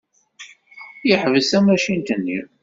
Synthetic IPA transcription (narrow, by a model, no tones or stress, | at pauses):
jəħvəsæmæʃint̪ənːi